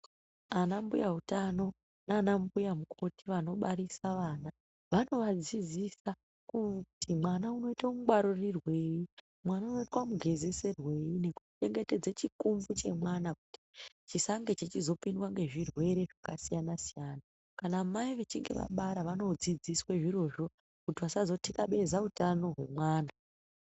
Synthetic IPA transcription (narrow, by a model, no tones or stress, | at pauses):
anambujaɦutano̞ | naːnambujamukʰo̞tiʋano̞ɓaɾisaʋaːna | ʋano̞ʋad͡zid͡zisa | kutʰimwanauno̞itaomuɡwaɾorirwe̞ji | mwanauno̞itwamuɡʱe̞zese̞rwe̞ine̞ku̥ti̥t͡ʃe̞ŋɡe̞te̞d͡zet͡ʃikumvut͡ʃe̞̰mwanakuti̥ | t͡ʃisaŋɡet͡ʃet͡ʃizo̞pindwaŋɡe̞ʐirwe̞ɾe̞ʐakasijanasijaːna | kanaːmaiʋe̞t͡ʃiŋɡe̞̰ʋa̰ɓaɾaʋano̞d͡zid͡zisweʐiɾo̞ʐo̞ | kutiʋasazo̞tikaɓe̞zautano̞ɦwe̞̰mwaːna